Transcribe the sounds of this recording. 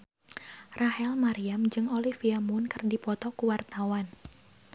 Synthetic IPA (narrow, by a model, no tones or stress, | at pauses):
rahɛlmaɾiamd͡ʒɨŋolifiamunkɨrdipɔt̪ɔkuwart̪awan